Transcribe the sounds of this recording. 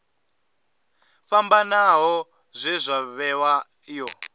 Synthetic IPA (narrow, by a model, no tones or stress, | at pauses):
ɸambanaɦɔ | zʷɛzʷaβɛwa | jɔ